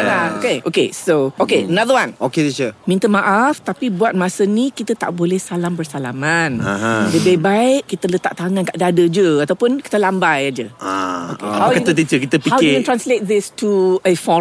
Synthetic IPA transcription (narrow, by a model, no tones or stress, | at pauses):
aokeʔokesookeənaðəwãnokedɛt͡ʃumĩnt̪əmaʔaft̪apibuat̪̚masənikit̪ət̪a̰ʔbolɛhsalambərsalamanadəbebaɪʔkːit̪ələt̪a̰ʔ̚t̪aŋãnkaʔdadəd͡ʒəat̪awpʊnki̥t̪əlambajad͡ʒəa̰okehawdkaət̪̬it͡ʃəkit̪əpihawɛ̃nt̪ɾanslet̪̚ðɪstuəfɔ